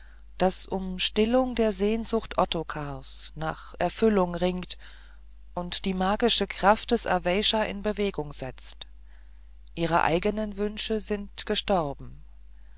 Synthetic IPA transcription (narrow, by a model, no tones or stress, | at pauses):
d̥asʔʊmʃtɪlʊŋdeːɐzeːnzʊχtʔɔtokʰaɐsnaːχʔɛɐfʏlʊŋʁɪŋkt | ʔʊntd̥iːmaːɡɪʃəkʁ̥aft̚d̥ɛsɛ̰ɐvɛɪʃɐʔɪ̰nbəveːɡʊŋz̥ɛt͡st | ʔiːʁ̞ə̰ʔa̰ɪɡənənvʏnʃəzɪntɡ̥əʃtɔʁbm̩